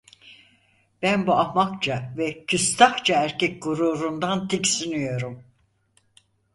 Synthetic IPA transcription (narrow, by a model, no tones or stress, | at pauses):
bænbuapmakt͡ʃʰavɛcʰyst̪ʰaxt͡ʃʰaæɾcʰɛc̚ɡuɾuːɾund̪ant̪ʰicsinyjo̞ɾum